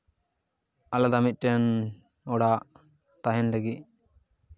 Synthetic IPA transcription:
alad̪amit̪̚ˀʈɛn | ɔɽaʔ | t̪aɦɛnlaɡit̪̚

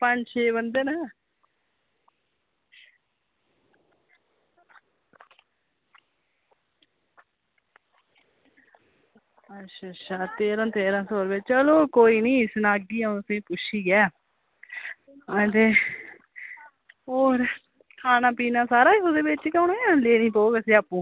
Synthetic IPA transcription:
pəɲd͡ʒt͡ʃʰeːbənd̪eːnaː | ətʃʰaːtʃʰaːt̪eːɾãːt̪eːɾãːsoːɾbeːt͡ʃəloːkoːiːnĩːɪsnãːɡiːãəsĩːpʊʃiːɡɛː | ət̪eː | oːɾ | kʰaːnaːpiːnãːsaːɾaːod̪eːbɪt͡ʃːkəʊnõːjãːleːnĩːpoːɡəsĩːapːũː

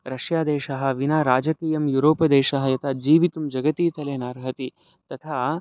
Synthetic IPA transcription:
ɾɐʃjaːd̪eːʃɐɦɐ̆ʋinaːɾaːd͡ʒɐkiːjɐmjuːɾoːpɐd̪eːʃɐɦɐjɐt̪ʰaːd͡ʒiːʋit̪umd͡ʒɐɡɐt̪iːt̪ɐleːnaːɾɦɐt̪i | t̪ɐt̪ʰaː

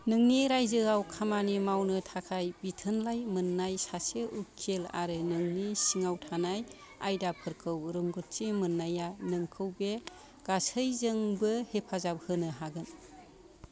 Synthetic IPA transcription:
nɯŋniɾajzɯɡawkʰamanimawnɯtʰakʰajbitʰɯnlajmɯnːajsaseʔukʰːela̰ɾɯnɯŋnisiŋawtʰanaj | a̰jdapʰɯɾkʰɯwɾɯŋɡɔt̚t͡ʃimɯnːajanɯŋkʰɯwbe | ɡ̥asəjzɯŋbɯhepʰazap̚hɯnɯɦaɡɯn

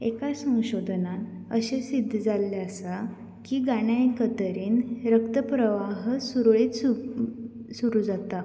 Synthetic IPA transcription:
ekasə̃w̃ɕod̪ʱnat̪ | əɕesid̪ʱːd͡zalːeəsa | kiːɡaɽjajkət̪əɾiːnɾəkt̪əpɾəʋaɦsuɾɭiːt̪u | suɾuːd͡zat̪a

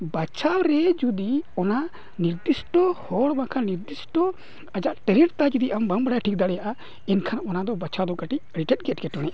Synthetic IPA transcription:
bat͡ʃʰawɾɛd͡ʒud̪iɔna | niɾd̪isʈɔhɔɽbãkʰaniɾd̪isʈɔ | ad͡ʒaʔt̪ɛlɛʈt̪ad͡ʒid̪iʔambambɽaʈʰik̚d̪aɽɛjaʔa | ɛnkʰanaɔnad̪ɔbat͡ʃʰad̪ɔkaʈic̚əɽiʈɛt̪̚ɡɛt̚kɛʈɔnɛʔ

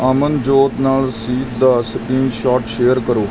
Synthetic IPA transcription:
aːmənd͡ʒoːt̪naːlsiːt̪d̪asəpɾiːmʃaːʈʃeːəɾkəɾoː

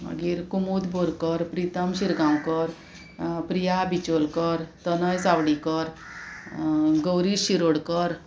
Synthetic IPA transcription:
mə̰ɡiɾkumud̪bʱoɾkəɾpɾit̪əmɕiɾɡãw̃kəɾ | pɾijabit͡ɕolkəɾt̪ənəjsawɽikəɾ | ɡəwɾiɕiɾoɽkəɾ

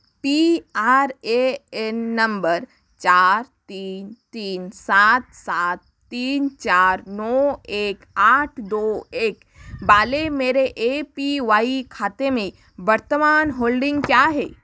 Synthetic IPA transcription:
piaːɾeenːə̃mbəɾ | t͡ʃaːɾt̪iːnt̪iːnsaːt̪̚saːt̪ːiːnt͡ʃaːɾnɔːeːkaːʈʰd̪oːeːk | baːlemeːɾeʔeːpiʋaːikʰaːt̪emẽ | bəɾt̪əmaːnɦoːlɖɪ̃ŋɡkjaːɦɛː

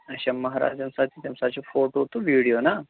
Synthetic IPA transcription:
əɕaməɦaɾa̰d͡ʑamsat̪ʰit̪jamsat͡ɕofoʈot̪oʋiɽijona

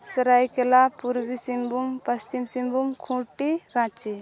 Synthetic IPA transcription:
sɾajkelapuɾbisimbumpəst͡ʃimsimbumkʰũʈikãt͡ʃʰi

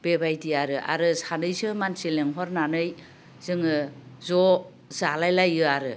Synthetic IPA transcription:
b̥ebajdiaɾɯʔa̰ɾɯsanɯjsɯmansileŋɦɔɾnanɯj | z̥ɯŋɯzɔ | zalajlajɯaɾɯ

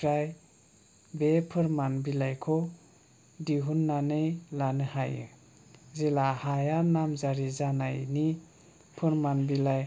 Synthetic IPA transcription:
ɾaj | bepʰɯɾmanbilajkʰɔ | diɦunːanejlanɯhajɯ̰ | zelahajanamzaɾizanajni | pʰɯɾmanbilaj

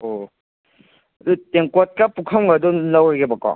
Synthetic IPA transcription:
o | duteŋkɔt̚kapukʰɐmɡadɔnawaɡebakːɔ̰

